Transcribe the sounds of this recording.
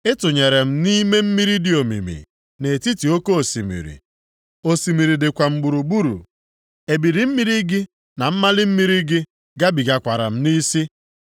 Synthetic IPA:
ɪ˦tʊ˨ɲe˨ɾe˨m̩˦ni˦me˦m̩˦mi˦ɾi˦dɪ˨o˨mḭ˨mḭ˨ | ne˨ti˦ti˨o˦ko˦o˨si˨mḭ˨ɾḭ˨ | o˨si˨mi˨ɾi˨dɪ˨kʷa˨ŋ͡m̩˨ɡ͡bu˨ɾu˨ɡ͡bu˦ɾṵ˨ | e˨bi˨ɾi˨m̩˦mi˦ɾi˦ɡɪ˦ | na˨m̩˦ma˦lɪ˦m̩˦mi˦ɾi˦ɡɪ˦ | ɡa˦bi˨ɡa˨kʷa˨ɾa̰˨m̩˦ni˦si˦

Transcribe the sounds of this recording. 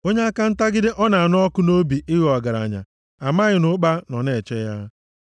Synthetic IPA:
o˦ɲe˦a˦ka˦n̩˦ta˦ɡɪ˦dɪ˦ʔɔ˦na˨a˨nʊ˦ɔ˦kʊ˦no˦bi˨ʔɪ˦ɣɔ˨ɡa˨ɾa̰˨ɲa̰˨ | a˨ma˦ɣɪ˨nʊ˦k͡pa˦nɔ˨ne˨t͡ʃɛ˦ja˦

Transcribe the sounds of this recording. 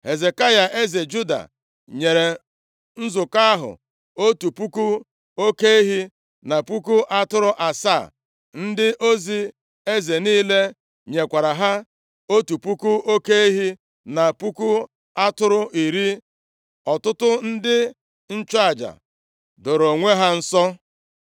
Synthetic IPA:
he˨ze˨ka˦ja˨ʔe˦ze˨d͡ʒu˦da̰˨ | ɲe˨ɾe˨ | n̩˦zʊ˨ka˦a˦ɦʊ̰˨ | o˦tu˨pu˦ku˦ | o˦ke˦e˦ɦi˦ | na˨pu˦ku˦ʔa˦tʊ˦ɾʊ˦ʔa˨sa̰˦˨ | n̩˦dɪ˦ʔo˦zi˦ | e˦ze˨niː˦le˦ | ɲe˨kʷa˨ɾa˨ɦa˦ | o˦tu˨pu˦ku˦o˦ke˦e˦ɦi˦ | na˨pu˦ku˦ | a˦tʊ˦ɾʊ˦ʔi˨ɾi˦ | ɔ˨tʊ˦tʊ˦n̩˦dɪ˦ | n̩˦t͡ʃa˦˨d͡ʒa̰˨ | dʊ˨ɾo˨ŋʷe˦ɦa˦n̩˦sɔ˦

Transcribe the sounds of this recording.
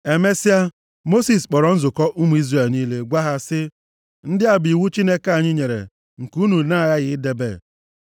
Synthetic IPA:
e˨me˦sɪ˦a˦ | mo˦si˨sk͡pɔ˨ɾɔ˨˦n̩˦zʊ˨kɔ˦ʔu˦mu˦i˦zre˦˨lniː˦le˦ɡʷa˦ɦa˦sɪ˦ | n̩˦dɪ˦a˨bi˨wu˦t͡ʃi˦ne˦ka˦˨ɲɪ˦ɲe˨ɾḛ˨ | ŋ̩˨ku˦nu˨na˦˨ja˦ɣɪ˨˦de˨be˦˨

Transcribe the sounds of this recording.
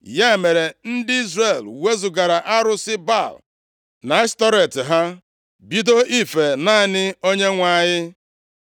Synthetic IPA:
ja˦e˨me˨ɾe˨n̩˦dɪ˦i˦zɾe˦˨lwe˦zʊ˨ɡa˨ɾa˨ʔa˦ɾʊ˦sɪ˦ba˦˨l | na˨˦stɔ˦ɾe˨tɪ˨ɦa˦ | bi˦do˦ʔi˦fe˨na˦˨nɪ˦o˦ɲe˦ŋʷa˨ɲɪ˦

